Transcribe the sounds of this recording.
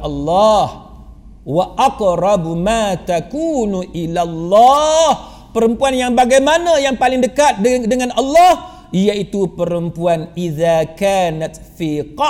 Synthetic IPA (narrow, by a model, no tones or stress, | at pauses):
alːɑh | waʔaqɾɑbmat̪akuːnuʔilalːɑh | pəɾəmpuanjaŋbaɡajmanãjaŋpalɪŋdəkat̪̚dəŋãnɑlːɑh | ijait̪upəɾəmpuanʔiðakaːnat̪ | fiqɑ